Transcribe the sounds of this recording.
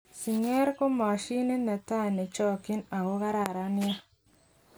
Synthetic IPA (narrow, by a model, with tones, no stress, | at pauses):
si˨ŋe˦ɾko˦ma˨ʃi˦ne˦na˨ta˦˨ne˨t͡ʃɔ˦ki˦na˨ko˦ka˦ɾa˨ɾa˦ni˦ja˦